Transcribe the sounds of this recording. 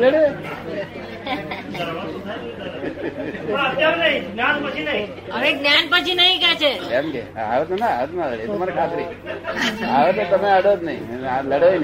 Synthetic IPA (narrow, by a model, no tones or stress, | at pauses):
ləɽe | aaʋnɐɦĩɡnjanpət͡ʃʰinəɦĩ | əɾeɡnjanpət͡ʃʰinəɦĩkjat͡ʃʰeemkḛa̰ʋet̪onaa̰ət̪naləɽet̪əmaɾikʰat̪ɾi | aʋet̪ot̪əmeəɽod͡ʒ̪nəḭ̃ləɽoin